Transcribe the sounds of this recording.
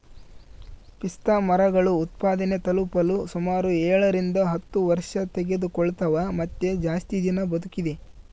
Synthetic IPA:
pist̪aːmɐɾɐɡɐɭuːt̪paːd̪ɐne̞t̪ɐlupɐlusumaːɾuɛːɭɐɾind̪ɐɦɐt̪ːuʋɐɾʂɐt̪eɡe̞d̪ukɔɭt̪ɐʋɐmɐt̪ːed͡ʒaːst̪id̪inɐbɐd̪ukid̪e̞

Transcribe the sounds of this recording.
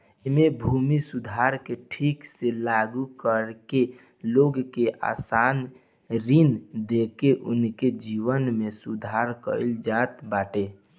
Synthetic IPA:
emebʱumisud̪ʱaɾkeʈʰikselaɡukəɾke | loɡkeʔa̰ːsan | ɾind̪ekeʔʊ̰nked͡ʒiʋənmesud̪ʱaɾkə̰ɪld͡ʒat̪baːʈe

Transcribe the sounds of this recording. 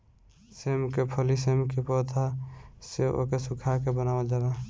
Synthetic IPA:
semkepʰəlisemkepɔt̪ʰaseo̰kesukʰakebənawad͡ʒala

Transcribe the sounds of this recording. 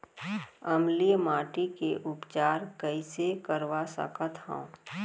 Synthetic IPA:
ɐmlijmaːʈikeʔʊpt͡ʃaːɾkəɪsekəɾʋasə̰kət̪ɦõ̰

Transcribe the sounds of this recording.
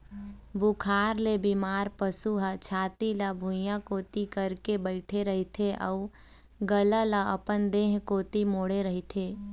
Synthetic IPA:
bukʰaːɾlebimaːɾpəsuɦat͡ʃʰaːt̪ilabʱʊ̃jãkoːt̪ikəɾkebəɪʈʰeɾəɦit̪ʰeʔə̰u | ɡəlalaə̰pənd̪eːɦkoːt̪imoːɽeɾəɦit̪ʰeː

